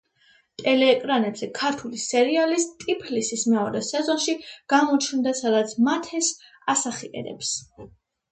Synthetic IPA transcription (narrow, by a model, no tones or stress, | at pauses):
t̪ʼɛlɛːkʼɾanɛbz̥ɛkʰaɾt̪ʰulisɛɾialist̪ʼipʰlisismɛɔɾɛsɛzɔnʃiɡ̥amɔt͡ʃʰnd̪asad̪at̪sʰmat̪ʰɛs | asaχiɛ̰d̪ɛ̰ps